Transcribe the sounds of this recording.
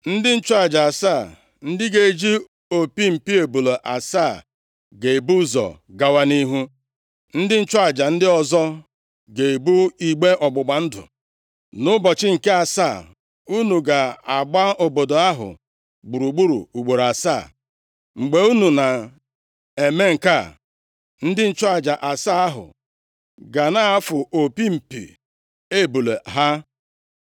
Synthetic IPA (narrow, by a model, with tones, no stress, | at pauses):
n̩˦dɪ˦n̩˦t͡ʃɔ˦a˨d͡ʒa˨a˨saː˦˨ | n̩˦dɪ˦ɡe˨˦d͡ʒi˦ | o˨pi˦m̩˨pi˦e˨bu˨lo˨ʔa˨saː˦˨ | ɡe˨e˨bu˦zɔ̰˨ | ɡa˨wa˦ni˦ɦu˦ | n̩˦dɪ˦n̩˦t͡ʃɔ˦a˨d͡ʒa˨n̩˦dɪ˦ɔ˨zɔ˦ | ɡe˨e˨bu˦i˨ɡ͡be˦ʔɔ˨ɡ͡bʊ˨ɡ͡ba˨n̩˦dʊ̰˨ | nʊ˦bɔ˨t͡ʃɪ˦ŋ̩˨ke˦a˨saː˦˨ | u˦nu˨ɡa˨a˨ɡ͡ba˦o˨bo˨do˨a˦ɦʊ̰˨ | ɡ͡bu˨ɾu˨ɡ͡bu˦ɾṵ˨u˨ɡ͡bo˨ɾa˨saː˦˨ | ŋ͡m̩˨ɡ͡be˨˦u˦nu˨na˨ | e˨me˦ŋ̩˨ka˦˨ | n̩˦dɪ˦n̩˦t͡ʃɔ˦a˨d͡ʒa˨ʔa˨sa˦a˦ɦʊ̰˨ | ɡa˨na˦a˦fʊ˨ʔo˨pi˦m̩˨pḭ˨ | e˦˨bu˨le˨ɦa˦